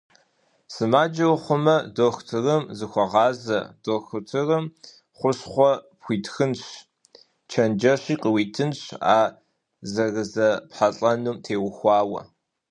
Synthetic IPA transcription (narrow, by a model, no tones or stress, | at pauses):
sɨmaːd͡ʒɐwχʷʊmɐdoxtʰɨrɨmzɨxʷɔʁɑːzɐ̰doːxɨtʰɨrɨm | χʷʊrɕχʷɔpxʷiːtxɨnɕ | t͡ʃʰɐnd͡ʒɐɕiːqəwiːtʰɨnɕa̰ː | zɐrɨzɐpħaɬʼɐnumtʰeːwxʷɑːwɐ̰